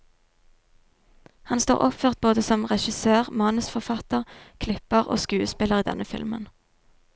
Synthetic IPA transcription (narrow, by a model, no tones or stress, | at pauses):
hɑnst̪o̰ːʁʔɔpføːʁt̪̚boːd̪əsɔmʁɛʃɪsøːʁmɑːnʉsfɔʁfɑt̪əʁkʰlɪpəʁo̰ːskʉːəspɪləʁiːd̪ɛ̰nəfɪ̰lmə̰n